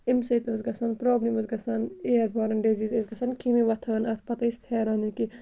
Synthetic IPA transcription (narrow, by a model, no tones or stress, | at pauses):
imset̪ozɡɐsɐnpɾoːbnimɐzɡɐsɐneːɐɾbʱaːɾɐnɖeːzizezɡɐsɐnkʰimiʋɐt̪ʰɐɐnɐt̪ʰpɐt̪ɐst̪heːɾaːniki